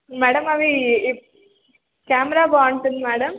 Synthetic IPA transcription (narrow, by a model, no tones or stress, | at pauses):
mɛːɽɐmɐʋi | kaːmɾaːbaːɳʈɐnmɛːɽɐm